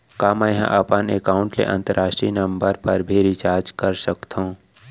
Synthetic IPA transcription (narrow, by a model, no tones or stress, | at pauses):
kaːmə̃jɦã̰ʔɐpənekaːʊ̃ɳʈlḛʔɐ̰̃nt̪əɾaːʃʈɾinɐmbəɾpɐɾbʱiɾɪt͡ʃaːɾd͡ʒkɐɾsəkt̪ʰõ